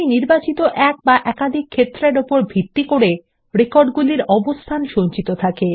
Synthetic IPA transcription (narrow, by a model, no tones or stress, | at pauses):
niɾbat͡ɕit̪oʔɛk̚baʔɛkad̪ʱikʰːet̪ːɾeɾopoɾbʱit̪ːikoɽe | ɾekoɾɖɡuliɾɔbost̪ʰanʃont͡ɕit̪ot̪ʰake